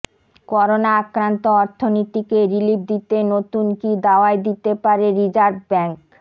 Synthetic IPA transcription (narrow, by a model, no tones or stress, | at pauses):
kɔɾonaakɾant̪oɔɾt̪ʰːonit̪ikeɾilib̚d̪it̪enot̪unkid̪aoaed̪it̪epaɾeɾid͡ʑaɾbbɛŋk